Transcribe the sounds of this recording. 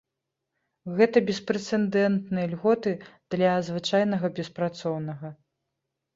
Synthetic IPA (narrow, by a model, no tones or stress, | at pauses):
ɣɛt̪ɐbʲɛspɾɛt̪sɛnd̪ɛnt̪nɨjɐlʲɣɔt̪ɨd̪̥lʲɐzvɨt͡ʂajnɐɣɐbʲɛspɾat̪sɔwnɐɣɐ